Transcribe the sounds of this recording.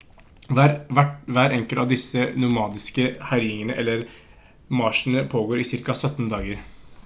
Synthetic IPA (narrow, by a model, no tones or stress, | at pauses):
ʋæʈʋæːɾɛŋkəlt̪ɑʋd̪ɪsənʊmɑːd̪ɪskəhæɾɪɪŋənəʔɛlːəɾ | mɑːʂn̩əpʰoːɡoːɾiːsɪɾkɑsœt̪ːnd̪ɑːɡəɾ